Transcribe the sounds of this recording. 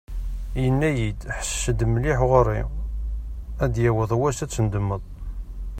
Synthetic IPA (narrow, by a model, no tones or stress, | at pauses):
jənːæjid̪ħə̥sʃːəd̪mliħʁəɾˤːi | æd̪jæwəðˤwæsæt͡sːənd̪əmːəðˤ